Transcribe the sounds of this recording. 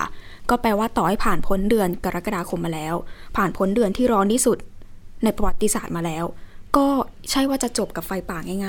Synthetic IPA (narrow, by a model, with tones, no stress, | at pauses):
kɔː˥˩pɛː˧waː˥˩t̪ɔː˨˩ha˥˩jpʰaː˨˩npʰo˦˥ndɯ˧ənka˧ɾa˦˥ka˧daː˧kʰo˧mːaː˧lɛː˦˥wpʰaː˨˩npʰo˦˥ndɯ˧ənt̪ʰiː˥˩ɾɔː˦˥niː˦˥˩su˨˩t̪̚na˧jpɾa˧wa˨˦˩t̪ːi˧saː˨˩t̪̚maː˧lɛː˦˥wkɔː˥˩t͡ɕʰa˥˩jwaː˥˩t͡ɕa˨˩t͡ɕo˨˩p̚ka˨˩p̚fa˧jpaː˨˩k̚ŋa˥˩ŋaː˥˩